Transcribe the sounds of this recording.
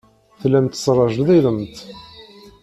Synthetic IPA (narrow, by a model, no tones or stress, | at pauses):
θlæmt̪srˤɑʒəðæðəmt̪